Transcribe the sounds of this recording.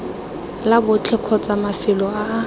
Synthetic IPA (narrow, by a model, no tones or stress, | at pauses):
labʊt͡ɬʰɛkʰɔt͡sʼamafɪlɔaː